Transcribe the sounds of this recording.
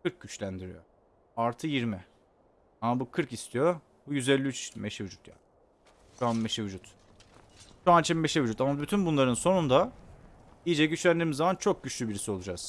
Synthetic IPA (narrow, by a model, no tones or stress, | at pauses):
kɯɾk̚ɟyt͡ʃlʲænd̪iɾḭjo̞̰ | aɾt̪ʰɯjiɾmɪ | amabukʰɯɾkist̪ʰijo | bujyzelʲːiyt͡ʃʰmeʃevyd͡ʒut̪ja̰ːnɪ | ʃuanmːeʃevyd͡ʒut̪ | ʃuant͡ʃʰimːeʃevyd͡ʒut̪amabyt̪ʰynbunlˠaɾɯnso̞nund̪a | ijid͡ʒɛɟyt͡ʃlʲænd̪iːmizːamant͡ʃʰo̞k̚ɟyt͡ʃlʲybiɾisio̞lˠud͡ʒaz̥